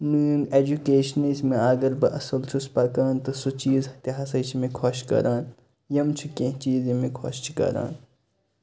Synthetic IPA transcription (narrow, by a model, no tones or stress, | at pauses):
nɨneːd͡ʒukeːʃneːsmẽaːɡɐɾbɐʔɐsɐlt͡ʃʰuspɐkaːnt̪ɨsut͡ʃiːzhɐt̪iɦɐsɐt͡ʃʰimẽkʰoʃkɐ̰ɾʔaːn | jɐmt͡ʃʰukẽɦt͡ʃiːzẽmẽkʰo̰ʃt͡ʃʰi̥kɐ̰ɾa̰ːn